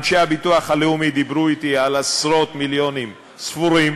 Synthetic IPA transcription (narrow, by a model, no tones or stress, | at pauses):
dʃeabit̪uaχhaleumid̪ibɾuit̪ialasʁo̞t̪miljonim | sfuɾim